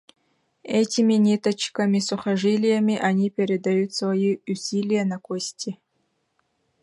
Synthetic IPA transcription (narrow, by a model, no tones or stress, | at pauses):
ɛtʲimʲinʲitʰɐt͡ʃʰkɐmʲisʊχɐʐilʲijamʲiʔanʲipʰʲeɾʲed̪ajut̪svɐjiusʲilʲijanɐkʷʰʼosʲtʰʲi